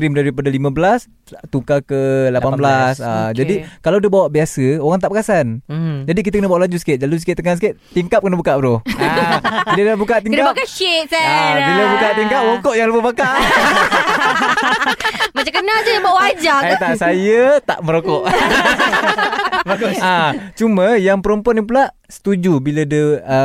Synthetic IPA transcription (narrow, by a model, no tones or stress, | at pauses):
kɾimdaɾipadalimãbəlas | t̪ukakəlapanbəlasad͡ʒadikalawdahbawaʔbiasəoɣaŋt̪aʔpəkasand͡ʒadik̬it̪əkənəbawaʔlad͡ʒus̬ə̥kɪt̪̚d͡ʒalusikɪt̪t̪ːəŋansəkɪʔ̪t̪iŋkap̚kənəbukaʔbəɾo | bid̪ədabukaʔt̪iŋnkabakaʃit̪sɛabiləbukaʔt̪iŋkap̚ɾokɔʔjaŋləpəbakaʔ | mat͡ʃakənasəəbaʔwad͡ʒaat̪aʔsajət̪a̰ʔməɾokɔʔ | baɡat͡ʃumə̃jaŋpəɾəmpanipulaʔ | sə̥t̪ud͡ʒubilədəə